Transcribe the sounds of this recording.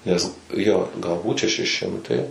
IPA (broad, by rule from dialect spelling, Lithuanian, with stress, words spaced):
nʲɛs ˈjoː ɡɐlˠˈbuːt ʃʲɛˈʃʲɪ ˈʃʲɪmtɐɪ